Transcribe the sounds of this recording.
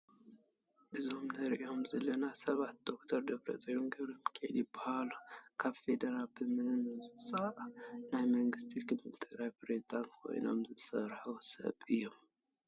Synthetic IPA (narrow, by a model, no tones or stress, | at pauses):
ʔɨzo̞mnɐɾʔio̞mzɐlɐnasɐβat̪̚d̪̥o̞kt̪ʰɐɾd̪ɐβɾɐ̰zʼɐjɾumɡɐβɾomkʰḛlibahalukʰaβfe̞d̪ɐɾalbɨmɨnɨsʼaʔnajmɐŋɡɨst̪ʰikʰɨd̪mɨlt̪ʼʰɨɡɾajpɾezid̪ant̪kʰo̞̰jno̞̰mzɨsɐɾħusɐ̰βʔɨjːo̞m